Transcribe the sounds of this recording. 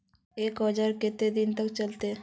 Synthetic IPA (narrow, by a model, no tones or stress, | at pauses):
eːkɦəd͡ʒaɾket̪ed̪int̪ək̚t͡ʃəlt̪e